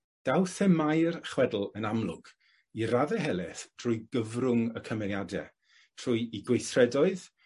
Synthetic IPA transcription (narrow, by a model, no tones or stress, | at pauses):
d̥awθɛmajrχwɛdl̩ˠənamlˠʊ̰ɡ̥ | iɾaðɛɦɛlˠɛθtʰr̥ʊɨɡəvrʊŋəkʰəmɛnjadɛ̰ | tʰr̥ʊjiɡwejθrɛdɔɨð